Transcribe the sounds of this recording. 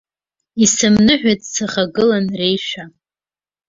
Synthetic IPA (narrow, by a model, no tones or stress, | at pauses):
isɨmnɨħʷᶣat͡sʼsaχaɡɨlanrejʃa